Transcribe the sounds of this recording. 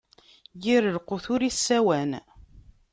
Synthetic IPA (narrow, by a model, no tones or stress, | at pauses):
jiɾəlqʊθʊɾisːæwæn